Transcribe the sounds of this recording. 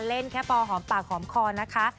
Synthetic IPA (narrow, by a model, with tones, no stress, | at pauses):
le˥˩nkʰɛ˦˥pɔː˧ɦɔː˩˦mpaː˨˩k̚hɔː˩˦mkʰɔː˧na˦˥kʰa˦˥